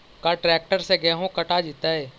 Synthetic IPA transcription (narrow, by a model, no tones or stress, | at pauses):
kaʈɾɛːk̚ʈəɾseɡɛɦõkɐʈad͡ʒɪt̪aeː